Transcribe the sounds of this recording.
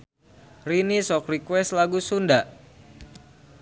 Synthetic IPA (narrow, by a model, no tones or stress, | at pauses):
rinisɔkrikwɛst̪laɡusundaʔ